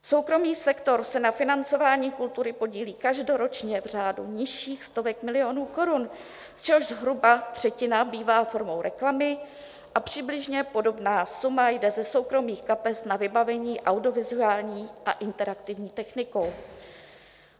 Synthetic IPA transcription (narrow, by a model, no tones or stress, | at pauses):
so̞wkɾo̞miːsɛkt̪o̞ɾsɛnafɪnant͡so̞vaːɲiːkult̪uɾɪpo̞ɟiːliːkaʒdo̞ɾo̞t͡ʃɲɛvr̝aːduɲɪʃiːxst̪o̞vɛkmɪlɪo̞nuːko̞ɾun | st͡ʃɛɦoʒzɦɾubat̪r̝̥ɛcɪnabiːvaːfo̞ɾmo̞wɾʔɛklamɪ | ʔapr̝̥ɪblɪʒɲɛpo̞do̞bnaːsumajdɛzɛso̞wkɾo̞miːxkapɛsnavɪbavɛɲiːʔawdɪovɪzuaːlɲiːʔaʔɪnt̪ɛɾakt̪ɪvɲiːt̪ɛxnɪko̞w